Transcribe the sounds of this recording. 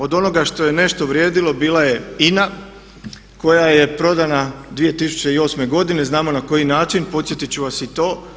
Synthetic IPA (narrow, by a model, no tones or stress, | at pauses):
o̞d̪o̞no̞ɡaʃt̪o̞je̞ne̞ʃt̪o̞ʋɾje̞ːd̪ilˠo̞biːlˠaje̞ina | ko̞jaje̞pɾo̞d̪anad̪ʋije̞t̪isu̥t͡ɕe̞io̞ːsme̞ɡo̞d̪ine̞znaːmo̞nako̞jinaːt͡ʃinpo̞t̪sje̞t̪it͡ɕuʋasit̪o̞ː